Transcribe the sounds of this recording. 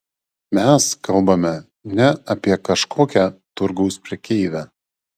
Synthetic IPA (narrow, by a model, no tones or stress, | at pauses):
mʲɛskɐlˠˑbɐmʲɛ | nʲɛɐpʲiɛkɐʃkʰoːkʲæːt̪ʊɾɡɐʊspʲɾʲiɛkʲeɪʋʲæː